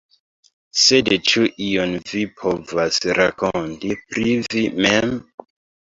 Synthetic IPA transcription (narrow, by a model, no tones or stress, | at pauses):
sedt͡ʃuʔijonvipʰo̞vasɾa̰kontipɾivimem